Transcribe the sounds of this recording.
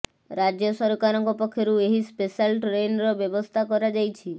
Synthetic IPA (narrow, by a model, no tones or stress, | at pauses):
ɾad͡ʒjɔsɔɾɔkaɾɔŋkɔpɔkʰːjɔɾueɦispesalʈɾenɾɔbjɔbɔst̪ʰakɔɾad͡ʒajt͡ʃʰi